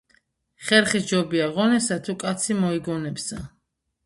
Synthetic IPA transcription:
χɛɾχisd͡ʒɔbiaʁɔnɛsat̪ʰukʼat̪sʰimɔiɡɔnɛbsa

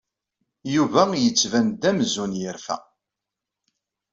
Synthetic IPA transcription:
juvæjət͡sːvænd̪æmzunjəɾfæ̰

